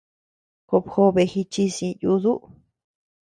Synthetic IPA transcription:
ko˧˨pxo˧βe˧xi˧t͡ʃi˧sĩ˧ju˧ðu˦ʔ

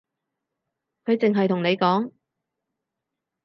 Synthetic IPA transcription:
kʰɵ˨˧ɥt͡sɪ˨ŋɦɐ˨jt̪ʰʊ˨˩ŋne˨˧jkɔː˨˥ŋ

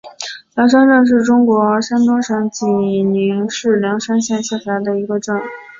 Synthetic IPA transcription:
ljɑ˧˥ŋʂ̬a˥nʈ͡ʂɤ˥˧ŋʂ̬ɻ̩˥˩ʈ͡ʂʊ˥ŋkwɔ˧˥ʂa˥nt̪wɔ˥ʂə˧˥nt͡ɕi˨˩ni˧˥ŋʂɻ̩˥˩ljɑ˧˥ŋʂa˥nɕjɛ˥˧nɕjɛ˥˩fa˧˥ɪd̪ə˧i˧˥ɡə˧ʈ͡ʂɤ˥˩ŋ

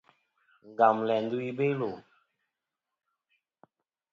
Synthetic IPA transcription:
ŋ˨ɡa˨mlɛ˨n˦du˦i˦be˦lo˨

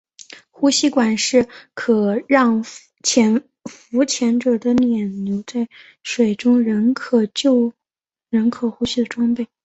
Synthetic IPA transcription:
xu˥ɕi˥kwa˨˩nʂɻ̩˥˩kʰɤ˨˩ɻɑ˥˩ŋ | t͡ɕʰjɛ˧˥n | fu˧˥t͡ɕʰjɛ˧˥nʈ͡ʂɤ˨˩d̪ə˦njɛ˨˩nnjo˧˥ʊt͡sa˥˩ɪ | ʂwe˨˩ɪʈ͡ʂʊ˥ŋɻə˧˥ŋkʰɤ˨˩t͡ɕjo˥˩˧ʊ | ɻə˧˥ŋkʰɤ˨˩xu˥ɕi˥˩d̪ə˩ʈ͡ʂwɑ˥ŋpe˥˩ɪ

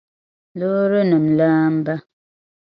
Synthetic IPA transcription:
lo˦ɾə˦nə˨m̩˨laː˦m̩˦ba˦

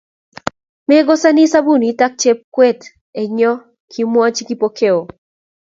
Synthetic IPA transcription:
me˦ɡo˦sa˦ni˦sa˦bu˦˨ni˨ta˦k̚t͡ʃe˦p̚kwe˦t | e˨ɲɔ˦ | kʰi˦mwɔ˦t͡ʃɡi˦pokʰe˦o˨

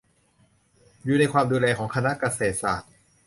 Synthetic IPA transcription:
juː˨˩na˧jkʰwaː˧mduː˧lɛː˧kʰɔː˩˦ŋkʰa˧na˦˥ʔka˧seː˨˩t̪̚saː˨˩t̪̚

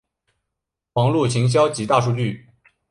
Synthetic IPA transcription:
wɑ˧˥ŋlu˥˩t͡ɕʰi˧˥ŋɕ̬jɑ˥ʊt͡ɕi˧˥t̪a˥˧ʂu˥˧t͡ɕy˥˩

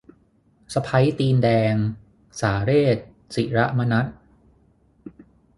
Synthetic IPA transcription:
sa˧pʰa˦˥jt̪iː˧ndɛː˧ŋ | saː˩˦ɾeː˥˩t̪̚ | si˨˩ɾa˦˥ʔma˧na˦˥t̪̚

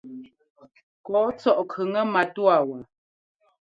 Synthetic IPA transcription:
kɔ˨˦t͡sɔ˦˨ʔkʰə˨ŋə˦ma˨tu˦a˦˨wə˨

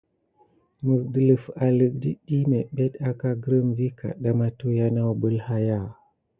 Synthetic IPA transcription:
mu˨sdə˨lə˨fa˨lə˨k̚di˦ɗi˦me˨ɓe˦ɗa˦ka˦ɡɾə˦mvi˦ka̰˨ɗa˦ma˦tu˦ja˦na˦wbə˦lha˦ja˦˨

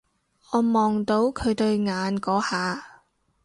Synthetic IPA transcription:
ŋɔː˨˧mɔː˨ŋt̪o˨˧˥wkʰɵ˨˧ɥt̪ɵ˧ɥŋaː˨˧nkɔː˨˥haː˨˧

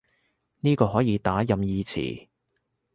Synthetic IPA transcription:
niː˥kɔː˧ɦɔː˨˥jiː˨˧t̪aː˨˥jɐ˨mjiː˧t͡sʰḭː˨˩

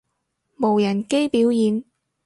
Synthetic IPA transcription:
mo˨˩wjɐ˨˩nke˥jpiː˨˥wjiː˨˧n

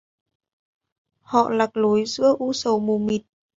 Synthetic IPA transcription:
hɔ̰˧˨laː˨˩k̚lo˨˦jzɨ̰˧˥əʔu˧sə˨˩wmu˨˩mi˨˩t̚

